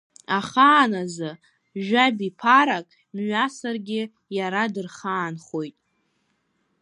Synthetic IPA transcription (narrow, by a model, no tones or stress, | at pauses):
aχaːnazɨ | ʒᶣabipʰaɾakʼ | mɥasarɡʲɪ | jaɾadɨrχaːnχo̞jtʼ